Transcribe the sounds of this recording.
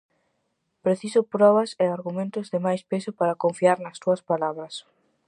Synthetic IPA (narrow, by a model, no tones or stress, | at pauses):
pɾeθisʊpɾɔβɐsɪaɾɣumẽnt̪ʊzðɪmajspesʊpaɾɐkoɱfiaɾnɐst̪uɐspalaβɾɐs